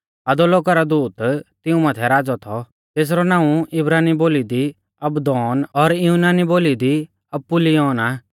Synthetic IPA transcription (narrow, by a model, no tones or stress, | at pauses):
ɐd̪ɔloːkaɾad̪uːt̪t̪ɪũmat̪ʰɛɾaːd͡zɔt̪ʰɔ | t̪eːs̬ɾɔnãːũɪbɾaːniboːlid̪i | ɐbd̪ɔːnɔɾjunaːniboːlid̪i | ɐpːulijɔːnaː